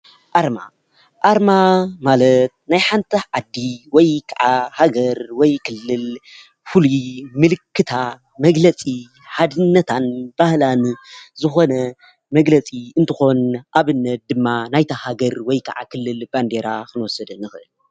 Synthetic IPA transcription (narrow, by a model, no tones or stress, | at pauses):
ʔaɾma̰ | ʔaɾmamalɐt̪̚najħant̪ʰiʕad̪ːiwɔjkʰaʕahaɡɐɾwɔjkʰɨlːɨl | fulumɨlɨkːɨt̪ʰa | mɐɡlɐt͡sʼi | ħad̪ɨnːɐt̪ʰanb̥ahlanzɨxo̞nɐ | mɐɡlɐt͡sʼiɨnt̪ʰɨxo̞nʔaβɨnːɐt̪̚d̪ɨmːanajt̪ʰahaɡɐɾwɔjkʰɐʕa̰kʰɨlːɨlb̥and̪eɾaxɨnwɔsɐd̪ɨnːɨxɨʔɨl